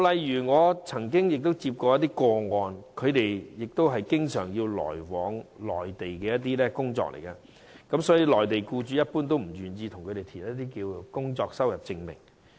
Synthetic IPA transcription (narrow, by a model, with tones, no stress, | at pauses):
lɐ˨jjyː˨˩ŋɔː˨˧t͡sʰɐ˨˩ŋkɪ˥ŋjɪ˨k̚t̪o˥wt͡si˧p̚kɔː˧jɐ˥t̪̬iː˥kɔː˧ŋɔː˨nkʰɵ˨˧ɥt̪e˨jjɪ˨k̚t̪o˥wɦɐ˨jkɪ˥ŋsœ̰ː˨˩ŋjiː˧wlɔ̰ː˨˩jwɔː˨˥ŋlɔ̰ː˨˩jt̪e˨jkɛː˧jɐ˥t̪̬̚iː˥lɛː˥kʊ˥ŋt͡sɔ̰ː˧k̚lʔḛ˨˩jkɐ˧ | kɐ˨˥msɔː˨˥jiː˧lɔː˨˩jt̪e˨˩jkuː˧t͡ʃyː˨˥jɐ˥t̚puː˥nt̪̬o˥wm̩˨˩jyː˨njiː˧t̪ʰʊ˨˩ŋkʰte˨˩jt̪ʰiː˨˩nɐ˥t̪iː˥kiː˧wkʊ˥ŋt͡sɔː˧k̚sɐ˥wjɐ˨p̚t͡sɪ˧ŋmɪ̰˨˩ŋ